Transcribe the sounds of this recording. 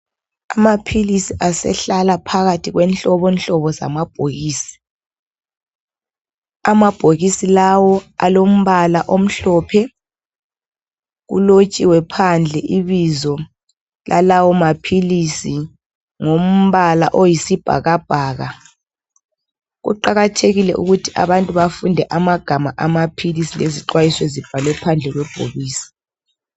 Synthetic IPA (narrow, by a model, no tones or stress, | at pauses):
amapʰilisiʔasɛ̰ɬalapʰaɣatʰiɣwɛnt͡ɬɔβɔnt͡ɬɔβɔza̰mab̥̚ʱoɣiːsi̥ | amab̥ʱoɣisilawɔa̰lom̩βalaʔom̩ɬɔːpʰɛ | ɣṵlot͡ʃʼiwɛpʰand͡ɮʱɛʔiβizɔ | lʔalawɔmapʰilisi | ŋom̩βala̰ʔojisib̥ʱa̰ɣab̥ʱaːɣa | ɣṵǃaɣatʰeɣilɛ̰ʔṵɣutʰiʔa̰βantʼuβafundʱɛʔamaɡ̥ʱamaʔamapʰilisileziǃwajiswezib̥ʱalɛpʰand͡ɮʱɛɣwɛb̥ʱo̰ɣiːsi̥